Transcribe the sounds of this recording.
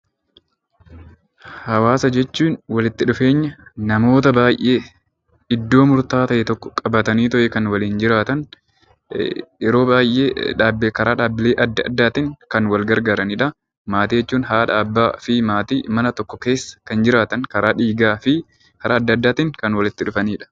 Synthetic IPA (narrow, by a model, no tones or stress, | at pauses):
hɐwaːsɐd͡ʒɛt͡ʃːuːnwɐlɪt̪ːɪᶑʊfe̞ːɲːɐnɐmo̞ːt̪ɐbaːjʔe̞ː | ɪd̪ːo̞ːmʊɾt̪aːt̪ɐʔɛt̪ɔkːɔ̥kʼɐbɐt̪ɐniːt̪ɔʔɛkɐnwɐliːnd͡ʒɪɾaːt̪ɐn | ɪɾo̞ːbaːjʔḛːᶑaːbkɐɾaːᶑaːbːɪleːʔɐd̪ːɐd̪ːaːt̪ɪŋkɐnwɐlɡɐɾɡaːɾɐniːᶑɐ | maːt̪iːjɛt͡ʃːuːnɦaːᶑɐ̰ɐbːaːfɪmaːt̪iːmɐnɐt̪ɔkːɔke̞ːsːɐ̥kɐnd͡ʒɪɾaːt̪ɐŋkɐɾaːᶑiːɡaːfɪ | kɐɾaːɐd̪ːɐd̪ːaːt̪ɪŋkɐnwɐlɪt̪ːɪᶑʊfɐniːᶑɐ̥